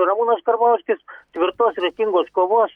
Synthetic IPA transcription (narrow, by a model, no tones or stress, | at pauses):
nɐmuːnɐskɐɾbɑʊsʲkʲɪst̪ʲʋʲɪɾt̪oːsɾʲɛkʲiŋɡoːskoːʋoːs